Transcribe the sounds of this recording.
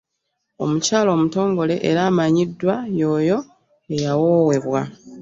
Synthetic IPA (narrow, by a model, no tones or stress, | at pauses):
o̞mucaːlo̞ːmuto̞ːŋɡo̞le̞ʔeɾaːmaɲidːwajo̞ːjo̞ | ejawowe̞βwa